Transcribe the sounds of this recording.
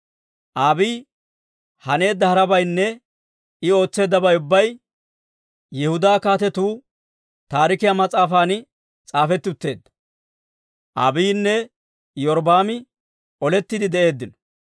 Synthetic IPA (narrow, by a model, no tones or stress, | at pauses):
ʔaːbiː | hɐne̞ːd̪ːɐhɐɾɐbɐjnːɛ | ɪo̞ːt͡sːe̞ːd̪ːɐbɐjʊbːɐj | jɛhʊd̪aːkaːt̪ɛt̪uː | t̪aːɾɪkɪjamɐt͡sʼaːfaːn | t͡sʼaːfɛt̪ːɪʊt̪ːe̞ːd̪ːɐ̥ | ʔa̰ːbiːnːɛ | jɔɾbaːmɪ | ɔlɛt̪ːɪd̪ɪd̪ɛʔe̞ːd̪ːɪnɔ̥